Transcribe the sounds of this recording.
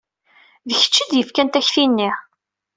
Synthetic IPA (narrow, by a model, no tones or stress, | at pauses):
ðəçə̥t͡ʃːid̪jəfkænt̪æçθinːiʕ